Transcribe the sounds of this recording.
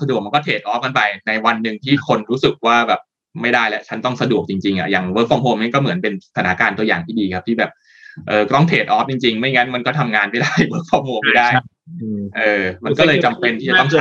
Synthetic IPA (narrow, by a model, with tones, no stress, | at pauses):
sa˧du˨˩ək̚ma˧nkɔ˥t̪ʰeː˨˩t̪̚ʔɔː˦˥p̚ka˧npa˧jna˧jwa˧nːɯ˨ŋt̪ʰiː˥˩kʰo˧nɾuː˦˥sɯ˨˩k̚waː˥˩bɛː˨˩p̚ | ma˥˩jdaː˥˩jlɛ˦˥ʔt͡ɕʰa˦˥nt̪ɔ˥˩ŋsa˧du˨˩ək̚t͡ɕi˧ŋt͡ɕi˧ŋʔa̰˨˩ja˨˩ŋwɤː˦˥k̚fɔ˧mɦoː˧mna˥˩kɔː˥˩mɯ˩˦ənpe˧n˧t̪ʰa˧nʰa˦˥kaː˧nt̪u˧jaː˨˩ŋt̪ʰiː˥˩diː˧kʰa˦˥p̚t̪ʰiː˥˩bɛː˨˩p̚ | ʔɤː˨˩kt̪ɔ˥˩ŋt̪ʰeː˨˩t̪̚ʔɔː˦˥p̚t͡ɕi˧ŋt͡ɕi˧ŋma˥˩jŋa˦˥nma˧nkɔː˥˩t̪ʰa˧mŋaː˧nma˥˩jdaː˥˩jwɤː˦˥k̚fɔː˧˩mhoː˧ma˥˩jdaː˥˩j | ʔɤː˧ma˧nkɔː˥˩lɤː˧t͡ɕa˧mpe˧nt̪ʰiː˥˩t͡ɕa˨˩t̪ɔ˥ŋ